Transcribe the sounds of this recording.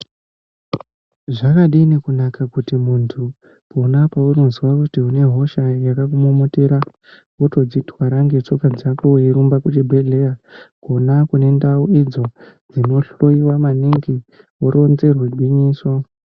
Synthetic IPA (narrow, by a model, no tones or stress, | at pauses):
ʐakaɗiːnekunakakutimuntʰu | ponapauronzwakutiune̞ɦo̞ʃajakakumomuteɾa | oto̞d͡zitwaɾaŋɡet͡ʂo̞kad͡zakoujiɾumbakutibʱe̞ɮe̞jakonakune̞ndauid͡zo̞ | d͡zino̞ɬo̞iwamaniŋɡi | oɾo̞nze̞rweɡʱwiɲiːswa